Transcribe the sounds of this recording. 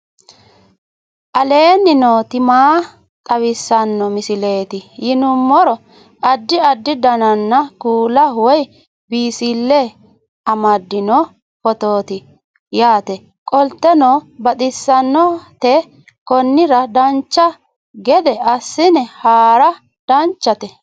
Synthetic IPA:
ʔɐle̞ːnːɪnoːt̪ɪmaː | t̪ʼɐwɪsːɐnːɔmɪsɪle̞ːt̪ɪjɪnʊmːɔɾɔ | ɐd̪ːɪɐd̪ːɪd̪ɐnɐnːɐkuːlɐwɔj | biːsɪlːɛ | ɐmɐd̪ːɪnɔ | pɔt̪oːt̪ɪ | jaːt̪ɛ | kʼɔlt̪ːɛnobɐt̪ʼɪsːɐnːɔt̪ɛ | kɔnːɪɾɐd̪ɐnt͡ʃːɐ | ɡɛd̪ɛɐsːɪnɛhaːɾɐ | d̪̥ɐnt͡ʃːɐt̪ɛ

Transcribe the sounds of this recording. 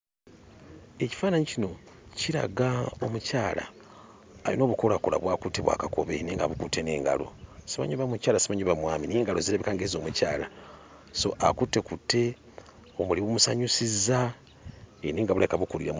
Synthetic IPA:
e̞ci̥faːnaɲicino̞ | ciɾa̰ɡaomucaːla̰ː | jḭno̞ːβukolakuɾa̰βwaːkuteβwa̰ːkakʰo̞̰βḛniːŋɡa̰βukutʰe̞nḛːŋɡa̰lo̞̰siβa̰ɲuβamucaːlasiβaɲuβamwamineːŋɡalo̞ziɾaβikaːŋɡezo̞ːmuca̰ːla | so̞̰ʔakute̞kute̞ | omuliβumusaɲusiza | eniːŋɡaβuɾekaβukuɾiɾam

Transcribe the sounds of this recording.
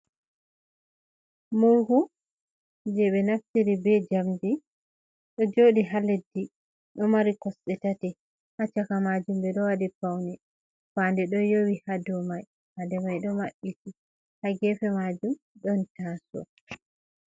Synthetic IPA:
muɾhu | d͡ʒɛɓɛnaftiɾibɛd͡ʒamdi | ɗɔd͡ʒoɗiɦaledːi | ɗɔmaɾikɔsɗɛtatɛ | hat͡ʃakamad͡ʒumbɛɗɔwadipawnɛ | fandɛɗɔjowihadɔmaj | hadɛmajɗɔmaɓːiti | haɡɛfɛmad͡ʒum | ɗɔntaːsɔ̰

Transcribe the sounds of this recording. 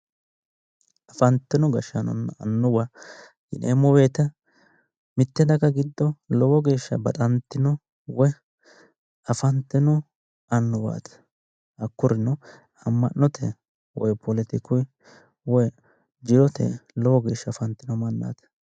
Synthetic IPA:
ɐfɐnt̪ːɪnɔɡɐʃɐnɔ̰nːɐ̰nːʊbɐ | ɡɪnḛːmɔweːt̪ɐ | mɪt̪ːɛd̪ɐkːɐɡɪd̪ːɔlɔwɔɡe̞ːʃːɐ̰bɐt̪ʼɐnt̪ːɪnɔ | wɔ | ɐfɐnt̪ːɛnɔ | ɐnːʊba̰ːt̪ɐ̥ | ɐkːʊɾɪnɔ | ɐmːɐnːɔt̪ʰɛ | wɔjpʰɔlɛt̪ɪkɔj | wɔj | d͡ʒɪɾɔt̪ʰɛ̰lɔwɔɡe̞ːʃːɐfɐnt̪ːɪnɔmɐnːa̰ːt̪ɐ̥

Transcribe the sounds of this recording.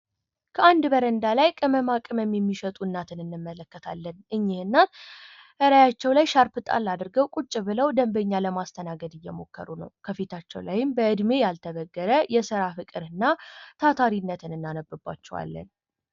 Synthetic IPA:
kʰəand̪bəɾənd̪alajkʼɨməmakʼɨməmjɛmːiʃət̪ʼunːat̪ʰɨnɨnːɨmːələkːət̪ʰalːənʔɨɲːɪhɨnːat̪ | ʔɨɾajat͡ʃːɛwlajʃaɾpɨt̪ʼa̰lːad̪ɾɡəwkʼut͡ʃʼːɪβɨləwd̪əmbəɲːaləmast̪ʰənaɡəd̪ɨjːɛmo̞̰kːə̰ɾunə̰wkʰəfet̪ʰat͡ʃːɛwlajɪmbəʔɨd̪mejalt̪ʰəβəɡːəɾəjɛsɨɾafɨkʼɨɾɨnːat̪ʰat̪ʰaɾinːət̪ʰɨnɨnːanəbːɨbːa̰t͡ʃːɛwa̰lːə̰n

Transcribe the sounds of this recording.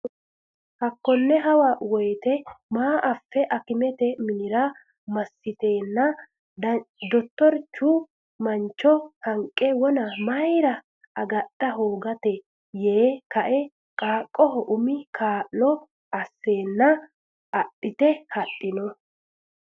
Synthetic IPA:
hɐkːɔnːɛɦɐwɐwɔjt̪ɛmaːʔɐfːɛʔɐkɪmɛt̪ɛmɪnɪɾɐ | mɐsːɪt̪e̞ːnːɐ | d̪ɔt̪ːɔɾt͡ʃːu | mɐnt͡ʃːɔhɐŋkʼːɛwɔnɐmɐjɾɐ | ɐɡɐtːɐɦoːɡɐt̪ɛ | je̞ːkɐʔɛ | kʼaːkʼːɔɦɔʔʊmɪkʰaːʔlɔ | ɐsːe̞ːnːɐ | ɐʔɪt̪ɛhɐʔːɪnɔ

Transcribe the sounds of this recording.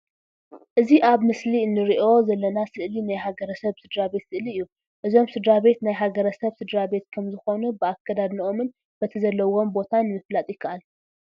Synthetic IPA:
ʔɨziʔaβmɨsliɨnːɨɾiʔo̞zɐlːɐnasɨʔlinajhaɡɐɾɐsɐβsɨd̪ɾabe̞t̪sɨʔliɨjːu | ʔɨzo̞msɨd̪ɾaβe̞t̪najɦaɡɐɾɐsɐβsɨd̪ɾabe̞t̪kʰɐmzɨxo̞nubɨakʰːɐd̪ad̪niʔo̞mɨn | b̥ɐt̪ʰɐzɐlːɐwo̞mbo̞t̪ʰanːɨmɨflat̪ʼikʰɐʔal

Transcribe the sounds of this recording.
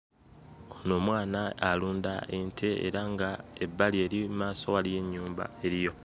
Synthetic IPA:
ono̞ːmwaːnaːluːndaʔentʰe̞ḛɾaŋɡaebːalie̞ɾimaːso̞walije̞ɲːuːmba̰e̞ɾijo̞

